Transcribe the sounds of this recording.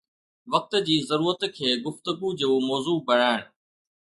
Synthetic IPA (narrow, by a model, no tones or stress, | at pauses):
ʋɐk̚t̪̆d͡ʑiːzɐɾuːɾət̪kʰeːɡʊft̪ʊɡud͡ʑoːmɔːzuːbɐɽ̤̃aːɪɽ̃